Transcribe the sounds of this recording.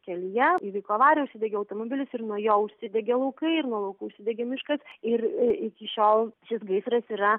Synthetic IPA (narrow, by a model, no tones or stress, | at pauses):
kʲɛlʲɪjɛiːʋɐɪkˠuːɐʋɑːɾʲjɛʊʃʲsʲɪd̪ʲɛɡʲɛɐʊt̪oːmobʲɪlʲɪsɪɾnuɔjoːʊʃʲsʲɪd̪ʲɛɡʲelˠɐʊkɐɪɪɾnuɔlˠɐʊkuːʊʃʲsʲɪd̪ʲɛɡʲemʲɪʃkɐsɪɾɪkʲɪʃʲoːlˠʃʲɪsɡɐɪsɾɐsiːɾɐ